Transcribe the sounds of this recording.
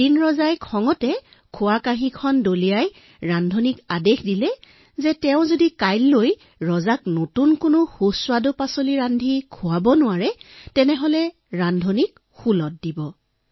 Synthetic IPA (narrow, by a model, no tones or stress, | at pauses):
dinɹɔzajkʰɔŋɔtɛ | kʰʊwakaɦĩkʰɔndolijaj | ɹandʱonikadexdilɛ | zɛtɛʊ̃zodikajlːoj | ɹɔzaknotunkʊnʊxuswadʊpasoliɹandʱikʰʊwabɔnʊwaɹɛtɛnɛɦolɛ | ɹandʱonik̚ | xulɔt̚dibɔ